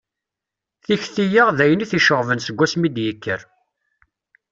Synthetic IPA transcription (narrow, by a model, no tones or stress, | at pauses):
θiçθijəʁðæjəniθiʃəʁvənsəɡʷːæsmid̪jəkːəɾ